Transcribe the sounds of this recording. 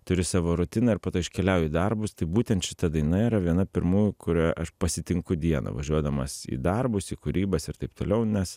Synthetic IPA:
t̪ʊɾʲɪsɑːʋoːɾʊt̪ʲɪnɐːɪɾpɐːt̪oːɪʃʲkʲɛlʲɛʊjiːd̪ɐrbʊst̪ɐɪbuːt̪ʲɛnt̪ʃʲɪ̥t̪ɐd̪ɐɪnɐiɾɐʋʲiɛnɐpʲɪɾmuːjʊkʊɾʲæʔɐʃpɐsʲɪt̪ʲɪŋkʊd̪ʲiɛnɐ̰ʋɐʒʲuɔd̪ɐmɐsḭːd̪ɐrbʊsiːkʊɾʲiːbɐsɪrt̪ɐɪp̚t̪oːlʲɛʊnʲɛs

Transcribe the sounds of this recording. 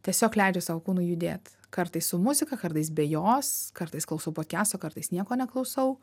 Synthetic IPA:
t̪ʲiɛsʲoːklʲɛɪd͡ʒʲɛʊsɑːʋokuːnʊːjʊd̪ʲḛːt̪ | kɐɾt̪ɐɪssʊmʊzʲɪkɐkɐɾt̪ɐɪs̬bʲɛjoːskɐrt̪ɐɪsklˠɐʊsɐʊpoːtʲkʲæːst̪oːkɐɾt̪ɐɪsnʲiɛkoːnʲɛklˠɐʊsɐʊ

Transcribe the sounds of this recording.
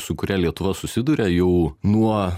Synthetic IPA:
sʊkʊɾʲæːlʲiɛt̪ʊʋɐsʊsʲɪd̪uːɾʲɛjɛʊnuɔ

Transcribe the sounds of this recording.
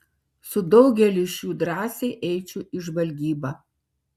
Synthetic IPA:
sʊd̪ɒʊɡʲɛlʲɪʃʲjuːd̪ɾɑːsʲɛɪʔɛɪt͡ʃʲʊʔɪʒʋɐlʲɡʲiːbɑː

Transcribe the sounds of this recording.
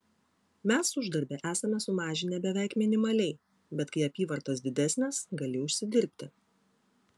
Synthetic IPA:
mʲæsʊʒd̪ɐɾʲbʲɛʔæːsɐmʲɛsʊmɑːʒʲɪnʲɛbʲɛʋʲæˑɪkmʲɪnʲɪmɐlʲɛɪ | bʲɛt̪kɐɪɐpʲiːʋɐɾt̪ɐsd̪ʲɪd̪ʲæsʲnʲɛsɡɐlʲɪʊʃʲsʲɪd̪ʲɪɾʲpʲt̪ʲɪ

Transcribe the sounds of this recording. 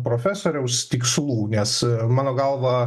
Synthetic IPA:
pɾoːfʲæːsoːɾʲɛʊst̪ʲikslˠuːnʲɛsmɑːnoːɡɐlˠʋɐ

